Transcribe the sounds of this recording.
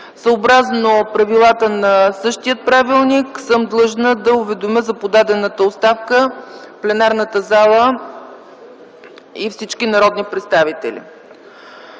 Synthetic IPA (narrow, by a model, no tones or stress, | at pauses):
səobɾaznopɾɐvilˠat̪ənɐsɤʃt̪ijət̪̚pɾavilˠniksɤmd̪lˠɤʒnəd̪ɐʊvɛd̪omʲəzɐpod̪ad̪ɛnət̪əot̪st̪afkə | plɛnaɾnət̪əzalˠə | ifsit͡ʃkinɐɾɔd̪nipɾɛt̪st̪avit̪ɛ̰lʲḭ